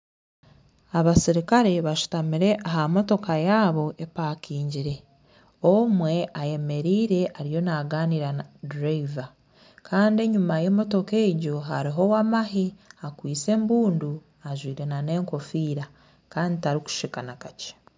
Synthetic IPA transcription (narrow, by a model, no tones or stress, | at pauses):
aβasiɾikaɾe̞βaʃu̥tamiɾe̞ʔaɦamo̞to̞kajaːβo̞ʔepakiːɲɟiɾe̞ | omwe̞ʔaje̞me̞ɾiːɾe̞ʔaɾijo̞naɡaːniɾanadɾava | kʰaːndie̞ɲumaje̞mo̞to̞ke̞ːɟo̞ɦa̰ɾiɦo̞wamaɦiakwiːt͡se̞ːmbuːndu | aʒwiːɾe̞nane̞ːŋko̞fiːɾa | kaːnditaɾiku̥ʃikanakace̥